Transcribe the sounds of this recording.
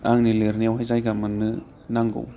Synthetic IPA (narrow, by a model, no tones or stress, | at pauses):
aŋnileɾniawɦajzajɡamɯnːɯ | naŋɡo̰w